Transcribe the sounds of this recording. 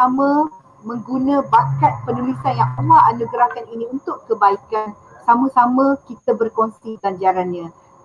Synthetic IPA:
amə̃ | mə̃ŋɡunãbakat̪̚pənulisanjaŋpəlaanuɡɾakaninĩunt̪ʊʔkəbaikan | samãsamãkit̪abərkonsit̪aɲd͡ʒaɾanɲã

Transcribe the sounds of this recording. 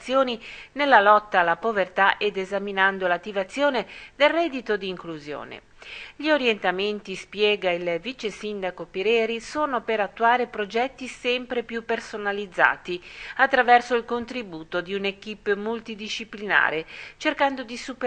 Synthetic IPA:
sːjoːninelːalɔt̪ːaːlːapovert̪aʔed̪ezaminand̪olat̪ːivat̪sːjoːned̪elrɛd̪ːit̪od̪iːŋkluzjo̰ːnḛ | ʎioɾjent̪ament̪ispjɛːɡailvit͡ʃesind̪akopiɾɛːɾisoːnopeɾat̪ːuaːɾepɾod͡ʒɛt̪ːisɛmpɾepjupːersonalid̪zːa̰ːt̪iat̪ːɾavɛrsoilkont̪ɾibuːt̪od̪iunek̟ipːmult̪id̪iʃiplina̰ːɾet͡ʃerkand̪od̪isup

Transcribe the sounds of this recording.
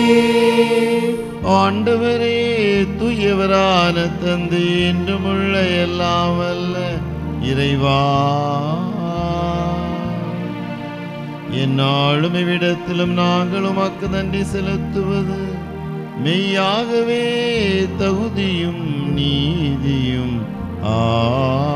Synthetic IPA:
aːɳɖɐʋɐɾeːt̪ujɐʋɐɾaːnɐt̪ːɐnd̪ɯendɯmɯɭːɐɛlːaːmɐlːɐ | ɪɾɐɪʋaː | ɛnːaːɭɯmɪʋɪɽɐt̪ːɪlɯmnaːŋɡɐɭɯmɐkːɐðɐnɖisɛlɯt̪ːɯʋɐðɯ | mɛjaːɣɐʋeːt̪ɐɣɯðɪjɯmniːðɪjɯm | aː

